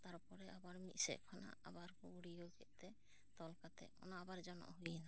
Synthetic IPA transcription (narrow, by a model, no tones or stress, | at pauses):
t̪aɾupɔɾɛabaɾmit̪sɛ̰ʔkʰɔna̰a̰baɾkɔuɽiokɛʔt̪ɛ | t̪ɔlkat̪ɛ̰ɔ̰naabaɾd͡ʒɔnɔ̰ʔɦujɛna